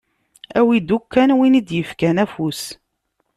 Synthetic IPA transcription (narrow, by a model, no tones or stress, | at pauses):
æwid̪ukːænwinid̪jəfkænæfus